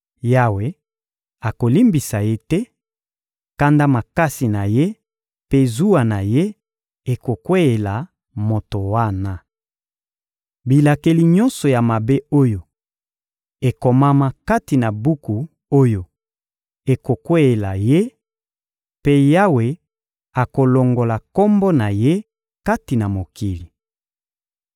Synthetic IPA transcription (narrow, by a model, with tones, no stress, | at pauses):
ja˦we˨ | a˨ko˨li˦mbi˨sa˨je˦tɛ˦ | ka˦nda˦ma˨ka˦si˨na˨je˦ | pe˦zu˦a˨na˨je˦ | e˨ko˨kwe˦e˨la˨ | mo˨to˨wa˦na˦ | bi˨la˨ke˨li˨ɲɔ˦nsɔ˨ja˨ma˨be˦o˦jo˨ | e˨ko˨ma˦ma˦ka˦ti˨na˨bu˦ku˨ | o˦jo˨ | e˨ko˨kwe˦e˨la˨je˦ | pe˦ja˦we˨ | a˨ko˨lo˨ŋɡo˨la˨kɔ˦mbɔ˦na˨je˦ | ka˦ti˨na˨mo˨ki˨li˨